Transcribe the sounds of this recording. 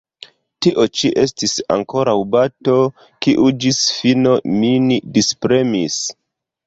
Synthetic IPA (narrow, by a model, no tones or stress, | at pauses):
tiʔo̞t͡ʃiʔe̞stisa̰ŋko̞ɾawbato̞ | kiʔud͡ʒisfino̞mindispɾe̞mis